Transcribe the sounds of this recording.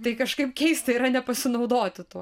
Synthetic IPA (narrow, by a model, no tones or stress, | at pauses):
t̪ɐɪkɐʃkɐɪpkʲɛɪsʲt̪ʲɪɪɾɐnʲɛpɐsʲɪnɐʊd̪oːt̪ʲɪt̪uɔ